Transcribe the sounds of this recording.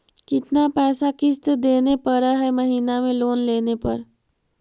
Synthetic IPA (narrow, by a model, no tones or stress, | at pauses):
kit̪napɛsakist̪əd̪enepəɾəɦeməɦinamelonlenepə̰ɾ